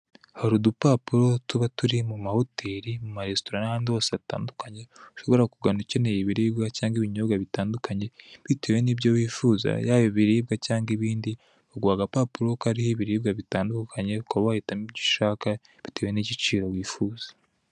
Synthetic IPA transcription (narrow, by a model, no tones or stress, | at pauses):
haɾudupapuɾo̞tuβatuɾimumahotʰeːɾimumaɾestoɾanahaːndihosata̰ːndukaɲe̞uʃo̞βo̞ɾakuɡanuce̞nejiβiɾiːbɡacaːŋɡiβiɲobɡaβitaːndukaɲe̞βiteːweniːbɟowiːfuːza̰jaːjoβiɾiːb̚ɡacaːŋɡiβiːndi | βaɡwaːɡapaːpuɾo̞kaɾihiβiɾiːbɡaβitaːndukʰaɲe̞kaβahitamibɟiʃaːka | βiteːwe̞niɟit͡ʃiːɾo̞wiːfuːzḁ